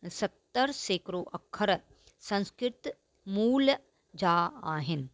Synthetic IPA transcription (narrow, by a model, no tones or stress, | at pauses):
sɐt̪ːəɾseːkɾoːʔɐkʰːəɾ | sɐ̃nskɾɪt̪ | muːl | d͡ʒaːaːɦɪn